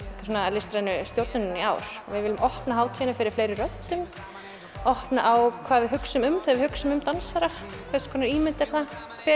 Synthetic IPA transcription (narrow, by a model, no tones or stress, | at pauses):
kḁsɔnalɪst̪ɾajnʏst̪jowɾt̪nʏnʏnia̰ːwɾ̥ɔ̰vɪðɪːlʏmʔɔhpnaɦaːwt̪ʰiɛnafɪɾɪɾ̥fleːjɾɪrœt̪ːʏm | ɔhpnaʔawkʰv̥aːððɪɦʏksʏmʏmθaðvɪhʏksʏmʏmt̪ansaɾa | kʰvɛɾskʰɔːnaɾiːmɪnt̪ɛɾ̥θa | fɪ